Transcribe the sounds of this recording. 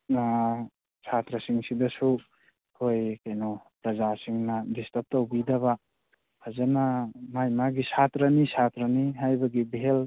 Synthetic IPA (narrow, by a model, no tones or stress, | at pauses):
sʰat̪ɾɐsiŋsidɐsu | kʰojkajnɔpɾɐzasiŋnɐdistɐp̚tawbidɐβa | pʰazanamajmaɡisat̪ɾɐnisʰat̪ɾɐniɦajbɐɡibel